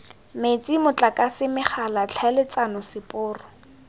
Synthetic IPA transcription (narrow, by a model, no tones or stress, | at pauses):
met͡sʼimʊt͡ɬʼakʼasɪmɪχalat͡ɬʰalɪt͡sanʊsɪpʼʊːrʊ